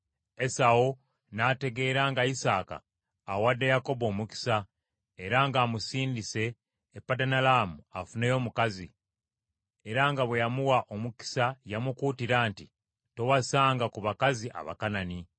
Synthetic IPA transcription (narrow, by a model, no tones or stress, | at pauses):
e̞sao | naːte̞ɡe̞ːɾaːŋɡaisaːka̰ː | wadːejako̞bo̞ːmuki̥sa | e̞ɾaŋɡaːmusiːndise̞ː | pːadanalaːmua̰fune̞jo̞ːmukazi | e̞ɾaŋɡaβwe̞jamuwaʔo̞muki̥sajamukuːtiɾaːnti | to̞wasaːŋɡakuβakaziʔa̰βa̰kanani